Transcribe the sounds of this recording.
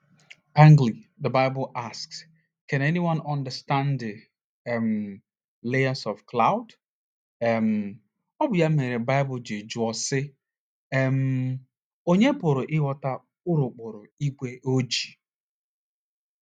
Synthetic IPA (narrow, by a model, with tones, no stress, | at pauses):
ã˦ŋɡli˨ðə˨ba˦ɪbʊ˨ʔa˨sks | kɛ̃˨nɛ˦ni˦wã˦nã˨ndə˨stã˦ndɪ˨ | m̩ | le˦ə˦sɔ˨fkla˦ʊ˦d | ɛ˨m̩˨ | ɔ˦bʊ˨ja˦me˨ɾe˨ba˦ɪ˦bʊ˨d͡ʒe˨d͡ʒu˨˦ɔ˦sɪ˦ | ɛ˦m̩ | o˦ɲe˦pʊ˨ɾʊ˨ʔɪ˦wɔ˦ta˦ | ʊ˦ɾʊ˨k͡pʊ˨ɾʊ˨i˦ɡʷe˦ʔo˦d͡ʒi˨